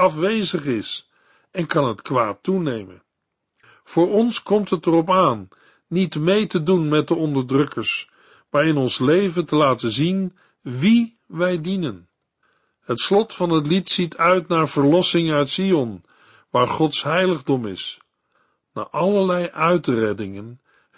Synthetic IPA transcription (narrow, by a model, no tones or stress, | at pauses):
ɑfʋejzəχɪs | ɛnkɑnɦətkʋaːtunejmə̰n | v̥ʊːɹɔnskɔmtɦətərɔp̬aːnː | itmejtədunmɛt̚dəɔndəɹdrɵkəɹs | maːɹɪnɔnslejvəntəlaːtəzin | ʋi | ʋɛjdinən | hətslɔtfɑnɦət̬litsitʰœɥtnaːɹv̥əɹlɔsɪŋœɥtsiɔn | ʋaːɹχɔtsɦɛjləχdɔmɪ̰s | na̰ːɹʔɑləɹlɛjʔœɥtrɛdɪŋən